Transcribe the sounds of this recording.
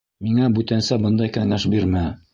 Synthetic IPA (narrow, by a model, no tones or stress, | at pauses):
miŋæbʉt̪ænsæbɤ̆nd̪ɑjkæŋæʃbiɾmæ